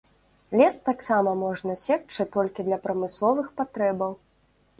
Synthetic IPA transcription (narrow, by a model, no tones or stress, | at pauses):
lʲɛst̪aksamɐmɔʐnɐsʲɛk̚t͡ʂɨt̪ɔlʲkʲid̪lʲɐpɾɐmɨslˠɔvɨxpat̪ɾɛbɐw